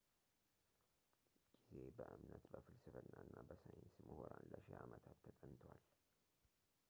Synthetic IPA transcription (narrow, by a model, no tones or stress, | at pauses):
ɡ̥ize̞bəʔɨmnət̪bəfɨlsɨfəɨnːaɨnːabəsajɪnsməhoɾanləʃeʔamət̪ʰat̪ʰːət̪ʼənt̪ʰwal